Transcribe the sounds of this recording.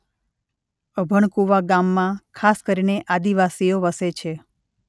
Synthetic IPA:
əbʱəɳkuʋaɡamːãkʰaskəɾineʔad̪iʋasijoʋəset͡ʃʰe

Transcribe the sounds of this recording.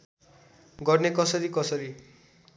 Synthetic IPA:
ɡʌɾnekʌsʌɾikʌsʌɾi

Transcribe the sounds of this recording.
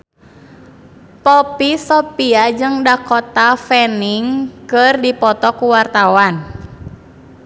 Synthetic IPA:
pɔpisɔpiad͡ʒɨŋdakɔt̪afɛniŋkɨrdipɔt̪ɔkuwart̪awan

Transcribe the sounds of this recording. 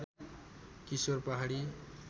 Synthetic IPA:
kisworpaɦaɽi

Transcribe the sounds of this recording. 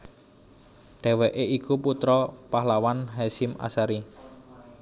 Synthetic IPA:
ɖ̥ɛ̤wɛʔeʔikuput̪ɾɔpaɦlawanɦɛsɪma̰saɾi

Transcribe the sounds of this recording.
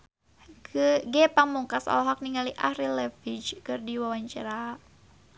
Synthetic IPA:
ɡɛpamuŋkasa̰lɔɦak̚niŋaliʔahɾilɛfit͡ʃkɨrdiwawaɲt͡ʃa̰ɾa

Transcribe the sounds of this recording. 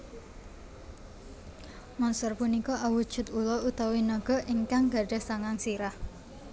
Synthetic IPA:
mɔnsɔrpunikɔʔawu̥ʒ̥ʊ̤t̪ulɔut̪awinaɡ̥ɔ̤ʔʔiŋkaŋɡa̤ɖɛ̤hsaŋaŋsiɾah

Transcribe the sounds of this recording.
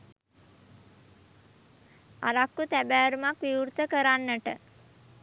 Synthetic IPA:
aɾakːut̪æbæːɾumakʋiuɾt̪əkəɾanːəʈə̰

